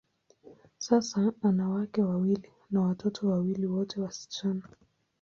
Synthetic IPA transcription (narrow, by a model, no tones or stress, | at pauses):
sasaanawakɛwawili | nawatɔtʰɔwawiliwɔtʰɛwasi̥t͡ʃana